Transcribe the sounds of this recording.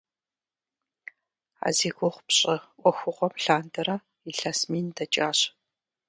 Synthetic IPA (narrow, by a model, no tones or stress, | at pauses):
a̰ːziːɡʷʊχʷpɕʼɐʔʷɔxʷʊʁʷɔmɬaːndɐɾɐ | iɬaːsmiːndɐt͡ʃʼaːɕʼ